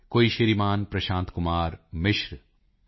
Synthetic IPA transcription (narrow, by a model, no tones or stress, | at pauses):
koːiʃiɾimaːnpɾɐʃãːnt̪kʊmaːɾmɪʃɾ